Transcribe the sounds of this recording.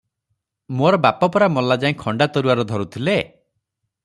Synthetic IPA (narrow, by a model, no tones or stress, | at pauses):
moɾɔbapɔpɔɾamɔlad͡ʒaĩkʰɔɳɖat̪ɔɾuaɾɔd̪ʱɔɾut̪ʰile